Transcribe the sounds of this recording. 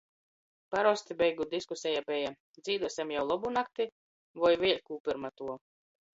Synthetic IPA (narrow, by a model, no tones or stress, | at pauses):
paɾɔst̪ibɛjɡud̪iskusʲɛjabɛja | d̪zʲiːd̪uɔsʲɛmjawlˠɔbunak̚t̪i | vɔjvʲiɛlʲkuːpiɾmat̪uɔ